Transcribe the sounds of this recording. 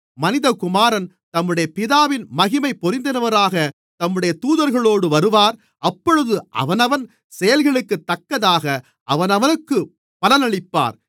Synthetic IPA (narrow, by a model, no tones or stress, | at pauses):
mɐnɪðɐkʊmaːɾɐn | t̪ɐmːɯɽɐjɐpɪðaːʋɪnmɐɣɪmɐɪpːɔɾɪnd̪ɐnɐʋɐɾaːɣɐ | t̪ɐmːɯɽɐjɐt̪uːðɐɾɣɐɭoːɽɯʋɐɾɯʋaːɾ | ɐpːɔɻɯðɯʔɐ̰ʋɐnɐʋɐn | sɛjɐlɣɐɭɯkːɯt̪ːɐkːɐðaːɣɐ | ʔɐʋɐnɐʋɐnɯkːɯ | pɐlɐnɐɭɪpːa̰ːɾ